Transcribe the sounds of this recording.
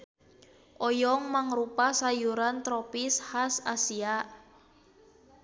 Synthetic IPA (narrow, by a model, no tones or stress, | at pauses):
ʔɔjɔŋmaŋrupasajuɾant̪ɾɔpishasasiaʔ